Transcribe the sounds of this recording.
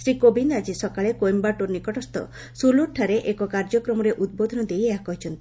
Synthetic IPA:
sɾikobind̪ad͡ʒisɔkaɭekojmbaʈuɾnikɔʈɔst̪ɔ̰ | suloʈʰaɾeʔekɔkaɾd͡ʒɔkɾɔmɔɾeʔud̪̚bod̪ʱɔnɔd̪ejeɦakɔɦit͡ʃʰɔnt̪i

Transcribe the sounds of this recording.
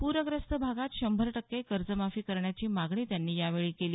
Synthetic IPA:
puɾʋəɡɾəst̪əbʱaɡat̪ɕəmbʱəɾʈəkːekəɾd͡zəmafiːkəɾɳjat͡ɕiːmaɡɳiːt̪janːiːjaʋeɭiːkeliː

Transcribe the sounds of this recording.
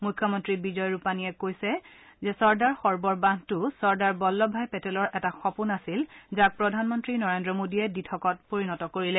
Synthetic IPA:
mujkʰːɔmɔntɹibizɔjɹupanijɛkojsɛzɛsɔɹdaɹxɔɹbɔɹbãntʊsɔɹdaɹbɔlːɔbʱajpɛtɛlɔɹʔɛtaxɔpunasilzak̚pɹɔdʱanmɔntɹinɔɹendɹɔmodiɛditʰɔkɔt̚poɹinɔtɔkoɹilɛ

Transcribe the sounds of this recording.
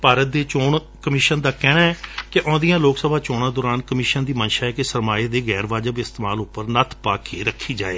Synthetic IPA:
paːɾət̪̚d̪eːt͡ʃoːɳ | kəmɪːʃənd̪aːkɛːɽ̃aːɛːkɪʔõːd̪ijãːloːksəbʱaːt͡ʃoːɽ̃ãːd̪oːɾaːnkəmɪːʃənd̪iːmənʃaːɛːkɪsəɾmaːeːd̪eːɣɛːɾʋaːd͡ʒəbɪst̪eːmaːlʊpːəɾnət̪ʰpaːkʰeːɾəkʰːiːd͡ʒa̰ːḛː

